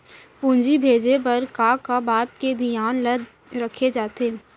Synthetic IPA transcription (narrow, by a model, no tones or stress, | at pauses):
pũːnd͡ʒibʱeːd͡ʒepɐɾkaːkabaːt̪ked̪ʱɪjaːnləd̪ | ɾɐkʰed͡ʒaːt̪eː